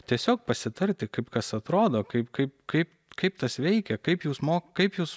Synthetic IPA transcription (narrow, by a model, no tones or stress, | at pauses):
t̪ʲiɛsʲoːk̚pɐsʲɪt̪ɐɾʲt̪ʲɪkɐɪpkɐsɐt̪ɾoːd̪oːkɐɪpkɐɪpkɐɪp | kɐɪp̚t̪ɐsʋʲɛɪkʲɛkɐɪpjuːsmoːkkɐɪpjuːs